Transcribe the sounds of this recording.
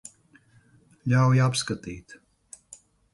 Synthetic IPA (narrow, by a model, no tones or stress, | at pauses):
ʎʲawjapskat̪iːt̪